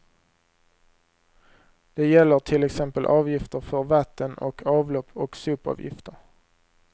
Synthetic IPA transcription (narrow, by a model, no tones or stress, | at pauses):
d̪̥ɛjɛlːəʈʰɪlɛksɛmpəlʔɑːvjɪft̪əɾfœɾvat̪ːənɔ̰kʰɑːvlɔpːɔksʉːpɑ̰ːvjɪ̰ft̪əɾ